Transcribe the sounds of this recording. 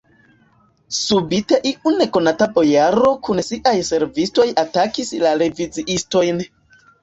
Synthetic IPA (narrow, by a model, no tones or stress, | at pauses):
subiteʔiʔune̞ko̞natabo̞jaɾo̞kunsiʔajse̞ɾvisto̞jatakislaɾe̞vid͡ziʔisto̞jn